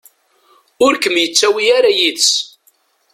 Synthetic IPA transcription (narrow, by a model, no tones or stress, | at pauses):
ʊɾkəmjət͡sːæwiaɾajit͡s